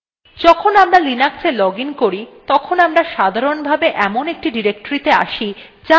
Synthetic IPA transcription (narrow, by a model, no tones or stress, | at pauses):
d͡ʑɔkʰonamɾalinakselɔɡinkoɾit̪ɔkʰonamɾaʃad̪ʱaɾonbʱabeʔɛmonek̚ʈiɖiɾek̚ʈoɾit̪ea̰ʃi | d͡ʑa